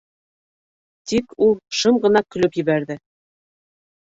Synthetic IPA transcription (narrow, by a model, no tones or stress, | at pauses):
t̪ikʰulˠʃɤmɢɤ̆nɑkɵ̆lɵpjɘ̆βæɾðɘ